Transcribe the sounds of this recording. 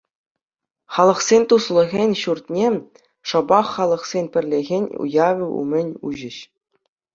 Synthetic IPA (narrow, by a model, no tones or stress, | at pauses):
χɑlˠɤ̆χsʲenʲt̪uslˠɤ̆ɣʲenʲɕurt̪ʲnʲe | ʂɤ̆bɑχːɑlˠɤ̆χsʲenʲpʲɘ̆rʲlʲeɣʲenʲṵjɑʋʲɘṵmʲɘ̆nʲuʑɘ̆ɕ